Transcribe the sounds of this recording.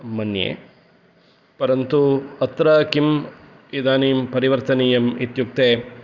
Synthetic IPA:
mɐnjḛː | pɐɾɐnt̪uɐt̪ɾɐkim | id̪aːniːmpɐɾiʋɐɾt̪ɐniːjɐmit̪juk̚t̪eː

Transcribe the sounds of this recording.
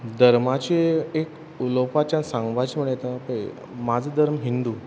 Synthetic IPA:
d̪ʱəɾmat͡ɕeek | ulopat͡ɕãsãŋɡʋat͡ɕməɭjt̪apə | mad͡zʱd̪ʱəɾmɦind̪uː

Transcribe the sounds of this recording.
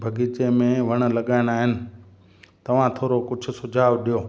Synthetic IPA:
bʱɐɡiːt͡ɕemẽʋɐɽ̃̆lɐɠaːɪɽ̃aːɦɪnɪ̆ | t̪ɐʋ̤ãt̪ʰoːɾokʊd͡ʑʱʊ̆sʊd͡ʑʱaːʋɗijoː

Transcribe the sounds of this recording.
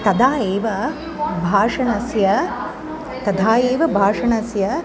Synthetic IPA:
t̪ɐd̪aːjeːʋɐ | bʱaːʂɐɳɐsjɐ | t̪ɐd̪ʱaːjeːʋɐbʱaːʂɐɳɐsjɐ

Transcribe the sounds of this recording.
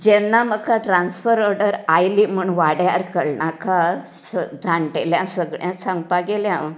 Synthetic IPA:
d͡ʑɛnːaməkaʈɾansfəɾɔɾɖəɾajlim̤uɳʋaɽjaɾkəɽɳaka | səd͡zʱaɳʈeljãsəɡɭjãsãŋɡpaɡeljãʋ

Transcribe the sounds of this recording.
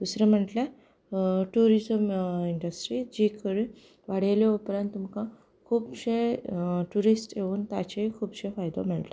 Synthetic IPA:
d̪̥usɾem̤əɳʈla | ʈuɾizəmiɳɖəsʈɾid͡ʑikʰəɾi | ʋaɽ̤eleupɾãnt̪umkã | kʰuːbɕeʈuɾisʈeuːnt̪a̰t͡ɕekʰuːbɕefajd̪ɔ̰m̤əɳʈla

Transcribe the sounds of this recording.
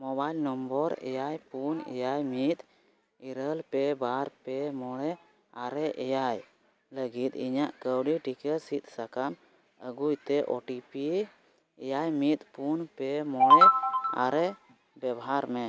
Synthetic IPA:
mɔbajlnɔmbɔɾɛ̰jajpunɛ̰jajmit̪ | iɾəlpɛbaɾpɛmɔɽɛ | aɾɛʔɛjaj | ləɡit̪iɲaʔkəwɖiʈikəsit̪̚sakan | əɡujt̪ɛʔɔʈipi | ɛjajmit̪̚ˀpunpɛmɔɽɛa̰ɾɛ | bɛbaɦaɾmɛ

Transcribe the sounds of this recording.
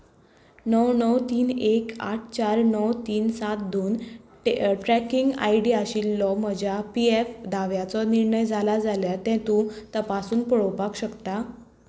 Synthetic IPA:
nəwnəwt̪iːnekaʈʰt͡ɕaɾnəwt̪iːnsat̪̚d̪oːn | ʈɾækiŋɡa̰jɖiaɕiːlːɔm̤əd͡ʑjapiefd̪aʋjat͡sɔniɾɳəjd͡zʱalad͡zaljat̪ɛ̃t̪ũt̪əpasuːnpɔɭɔwpakɕəkt̪a

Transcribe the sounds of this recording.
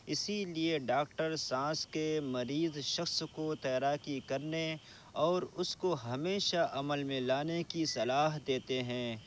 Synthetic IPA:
ɪsilieɖaːk̚ʈəɾsãːskemɐɾiːzʃɐxskot̪ɛːɾaːkikɐɾne | ɔːɾʊskoɦɐmeːʃaʔɐməlmẽlaːnekisɐlaːɦd̪eːt̪eɦɛ̃ː

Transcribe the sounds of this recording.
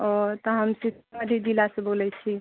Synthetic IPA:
ɔɾt̪ɔɦəmsitməd̪ʱjid͡ʒilasebolɛt͡ʃʰi

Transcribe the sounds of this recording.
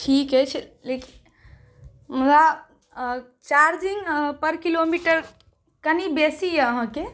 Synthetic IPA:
ʈʰikɦɛt͡ʃʰleki | mud̪a | t͡ʃaɾd͡ʒiŋɡpəɾkilomiʈəɾ | kənibesijəɦə̃ke

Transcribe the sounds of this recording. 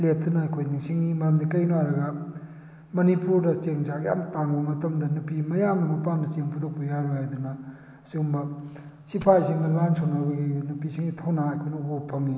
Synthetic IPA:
lep̚ʰt̪unɐɐjkʰojniŋsiŋimɐɾɐmd̪ikɐjnuwaɾɐɡɐ | mɐnipuɾdɐt͡ʃeŋzakija̰mtaŋbɐmɐtɐmdɐnupimɐjamdɐmɐpandɐt͡ʃeŋpʰud̪ok̚pɐjaɾuɦajd̪unɐ | siɡumbɐ | sipʰajsiŋɡɐlansonabɐɡinupisiŋitʰownaɐjkʰojnɐuɡopʰɐŋi

